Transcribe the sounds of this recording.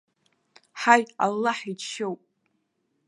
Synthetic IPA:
ħaja̰lːaħit͡ʃʰʃowpʼ

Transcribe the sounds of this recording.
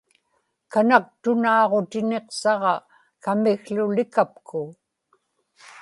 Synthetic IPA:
kanak̚t̪ʊnɑːʁo̞t̪ɪne̞qsɑʁɑ | kamɪɣlʊlɪkap̚kʰʊ

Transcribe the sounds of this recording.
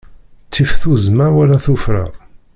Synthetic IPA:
t͡sːifθuzmæɾwælæθufɾa̰

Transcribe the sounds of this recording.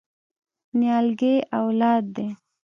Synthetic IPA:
njɑlɡeʔawlɑːd̪̚ːe

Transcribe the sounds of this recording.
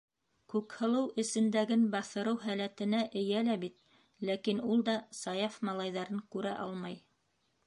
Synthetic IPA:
kʉkhɤ̆lˠɤwʔɘ̆sɘ̆nd̪æɡɘnbɑθɤ̆ɾɤwɦælæt̪ɘ̆næʔɘ̆jælæbit̪̚ | lækinulˠd̪ɑsɑjɑfmɑlˠɑjðɑɾɤŋkʉɾæʔɑlˠmɑj

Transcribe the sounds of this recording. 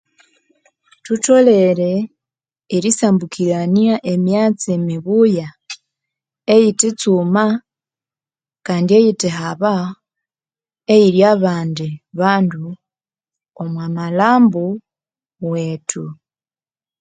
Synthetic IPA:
tuto̞le̞ɾeː | ɾisaːmbukiɾaniaʔe̞mjaːt͡siemiβuja | ejitit͡suma | kaːndie̞jiteɦaβa | e̞jiɾjaβaːndiβaːndu | omwamalaːmbu | we̞ːtu

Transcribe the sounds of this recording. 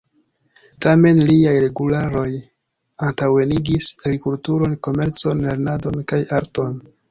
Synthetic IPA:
tame̞nliajɾe̞ɡulaɾo̞j | antawe̞niɡisaɡɾikultuɾo̞nko̞me̞ɾt͡so̞nle̞ɾnado̞nkajaɾto̞n

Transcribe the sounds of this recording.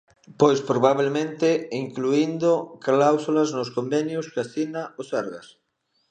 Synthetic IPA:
pojspɾoβaβ̞elmẽnt̪ɪiŋkluind̪ʊklawsulaznʊskombɛnjʊskaθinaʊsaɾɣa̰s

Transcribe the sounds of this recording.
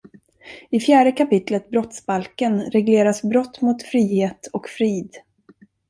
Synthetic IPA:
ɪfjæːɖəkapɪt̪lət̪̚bɾɔt̪sbalkənɾɛɡleːɾasbɾɔt̪ːmʊt̪fɾiːheːt̪ɔkfɾiːd̪

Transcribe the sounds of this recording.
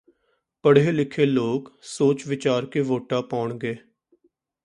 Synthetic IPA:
pəɽ̤eːlɪkʰeːloːksoːt͡ʃʋɪt͡ʃaːɾkeːʋoːʈaːpaːʊɳɡeː

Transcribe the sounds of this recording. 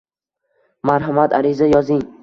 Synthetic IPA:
maɾɦamat̪aɾizajɒzɪŋ

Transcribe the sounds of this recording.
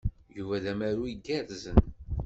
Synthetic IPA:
juvæðæmæɾuiɡæɾzən

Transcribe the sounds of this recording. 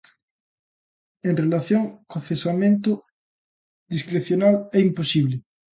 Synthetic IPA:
eŋrelaθjoŋkoθesamẽnt̪ʊ | ðiskɾeθjonalɛimposiβlɪ

